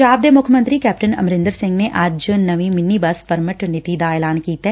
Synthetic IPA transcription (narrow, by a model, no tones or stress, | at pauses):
d͡ʒaːb̚d̪eːmʊkʰəmə̃nt̪ɾiːkɛːp̚ʈənɐ̰mɾɪ̃nd̪əɾsɪ̃ŋɡneʔɐd͡ʒnəʋimɪnːiːbəspəɾməʈnɪt̪id̪aɛːlaːnkiːt̪ɛː